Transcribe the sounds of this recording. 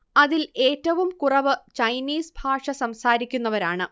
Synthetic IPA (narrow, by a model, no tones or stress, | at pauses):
ɐðile̞ːtːɐʋumkurɐʋɨt͡ɕɐjniːsbʱaːʂɐsɐmsaːɾikʲːunːɐʋɐɾaːɳɨ